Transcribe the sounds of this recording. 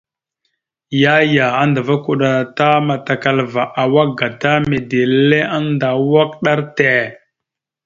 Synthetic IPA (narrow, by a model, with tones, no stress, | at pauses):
ja˦ja˨a˦nda˨va˦ku˨ɗa˨ta˦ma˨ta˨ka˨lva˨ʔa˨wa˦ɡa˨ta˦me˨de˨le˦a˦nda˨wa˦k̚ɗa˦ɾte˦˨